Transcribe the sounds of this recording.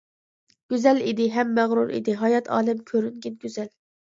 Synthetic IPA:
ɡ̥ʲyzɛlid̪ɪɦɛmːæʁɾuɾʔḭd̪ɪɦɑjɑt̪ʰɑ̰ːlˠɪmkʲʰøɾyŋɡʲɪnɡʲyzɛl

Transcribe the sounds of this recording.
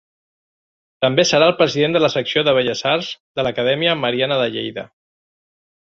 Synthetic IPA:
t̪əmbesəɾaəlˠpɾəziðend̪ələsəksioðəβəʎəzaɾzðələkəðɛmiəməɾianəðəʎḛjðə̰

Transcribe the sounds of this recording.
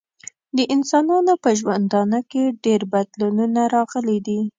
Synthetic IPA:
d̪əʔɪnsɑnɑnopəʒwand̪ɑnakeɖeɾbad̪lununaɾɑɣəlid̪i

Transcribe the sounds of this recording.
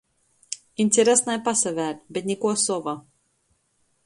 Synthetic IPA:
inʲt̪ʲeɾʲɛsnajpasavʲæːlʲbet̪nʲikuɔsɔva

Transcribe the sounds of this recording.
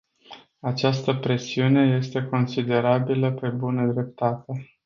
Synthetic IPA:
at͡ʃast̪əpɾe̞siune̞je̞st̪e̞ko̞nsid̪e̞ɾabiləpe̞bunəd̪ɾe̞p̚t̪at̪e̞

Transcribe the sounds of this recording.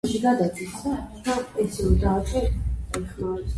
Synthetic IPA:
ʃiɡad̪at͡ʃʰwit̪t͡ʃapʼɛt̪sʰiulid̪aːt͡ʃʼɛɛχmaɾɛ

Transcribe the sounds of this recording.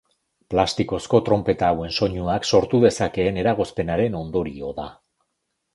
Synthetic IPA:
plast̪iko̞sko̞t̪ɾo̞mpe̞t̪awe̞nso̞ɲuakso̞ɾt̪uð̞e̞sake̞ːne̞ɾaɣ̞o̞spe̞naɾe̞no̞nd̪o̞ɾio̞ða

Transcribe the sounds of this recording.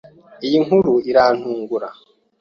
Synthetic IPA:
ijiŋuɾuiɾan̥huːŋɡuɾa̰

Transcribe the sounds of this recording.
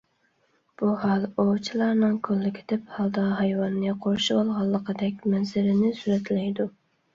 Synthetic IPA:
b̥uhɑlˠot͡ʃʰilˠɑɾnɨŋkʰølːɪkʲʰɪ̥d̪ɪphɑlˠd̪ɑɦɑjwɑnːɛqʰoɾʃubolˠʁɑlˠːəqʰəd̪ɛkʲmɛnzɪɾɪnɪsuɾɛt̪lɛjd̪u

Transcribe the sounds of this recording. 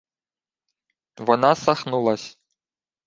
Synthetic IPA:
vɔnasaxnulˠɐsʲ

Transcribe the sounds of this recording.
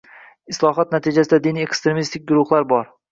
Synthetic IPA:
ɪslˠɒɦɒt̪̚nat̪ʰɪd͡ʒasɪd̪ad̪ɪniekst̪ɾemist̪ʰɪk̚ʲɡʊɾʊχlˠaɾbɒɾ

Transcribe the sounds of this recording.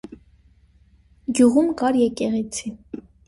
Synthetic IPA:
ɡjuʁumkɑɾjɛkɛʁɛt͡sʰi

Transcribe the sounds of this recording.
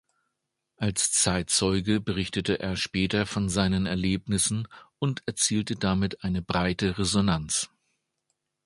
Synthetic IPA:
ʔalst͡saɪtt͡sɔʏɡəbəʁ̞ɪçtətəʔeːɐʃpɛːtɐfɔnzaɪnənɛɐleːpnɪsn̩ʊntɛɐt͡siːltədamɪtʔaɪnəbʁaɪtəʁezonant͡s

